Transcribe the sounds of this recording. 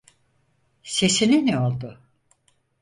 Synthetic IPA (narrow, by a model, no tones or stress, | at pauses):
sesininiolˠd̪ʊ